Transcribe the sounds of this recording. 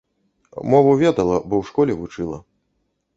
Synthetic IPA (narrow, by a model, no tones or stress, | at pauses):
mɔvuvʲɛd̪ɐlˠɐbɔwʂkɔlʲɛvut͡ʂɨlˠɐ̰